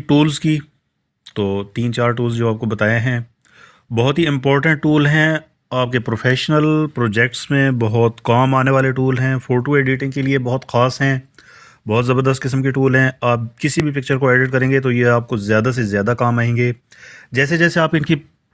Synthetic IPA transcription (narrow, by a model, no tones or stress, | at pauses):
ʈuːlzki | t̪oːt̪iːnt͡ʃaːɾʈuːlzd͡ʒoːaːp̚kobɐt̪aːjaɦɛ̃ː | bɔɦʊt̪ɦiɪ̃mpɔːɾʈə̃ɳʈ̚ʈuːlɦɛ̃ː | aːp̚kepɾoːfʰɛːʃnəlpɾoːd͡ʒɛːk̚ʈsmẽbɐɦɔt̪kaːmaːneʋaːleʈuːlɦɛ̃ːfoːɾʈoeːɖiːʈɪ̃ŋɡkeliebɔɦʊt̪xaːsɦɛ̃ː | bɔɦɔt̪zɐbəɾd̪əst̪̚kɪs̬əmkeʈuːlɦɛ̃aːp̚kɪsibʱipɪk̚t͡ʃəɾkoeːɖɪʈ̚kɐɾẽːŋɡet̪ojeaːp̚kozjaːd̪as̬ezjaːd̪akaːmaːɦẽːŋɡeː | d͡ʒɛːsed͡ʒɛːseaːpɪnki